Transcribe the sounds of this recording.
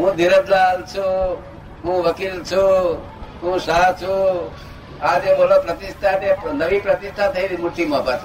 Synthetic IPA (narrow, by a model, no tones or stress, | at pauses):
ɦũːd̪iɾət̪laːlt͡ʃʰu | ɦũʋɐkilt͡ʃʰu | ɦũsaɦt͡ʃʰu | aːd͡ʒemolapɾɐt̪ist̪ʰanenɐʋipɾɐt̪ist̪ʰat̪ʰəiɾimuɾt̪imãbət̪